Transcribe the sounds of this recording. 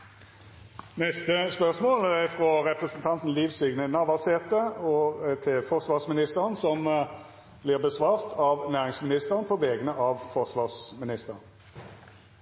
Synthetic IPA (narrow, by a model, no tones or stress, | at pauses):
nɛst̪əspœʁsmoːlæfʁɔʁɛpʁəsnt̪ʰɑnt̪n̩liːʋsʏɡnənɑʋɑʁseːt̪əɔt̪ʰɪlfɔʁsʋɑːʁsmɪnɪst̪əʁənsɔm | blɪːʁbəsʋɑːʁt̪ʰɑʋnæːʁɪŋsmɪnɪst̪əʁənpʰɔʋɛːɡənəʔɑʋfɔʁsʋɑːʁsmɪnɪst̪əʁn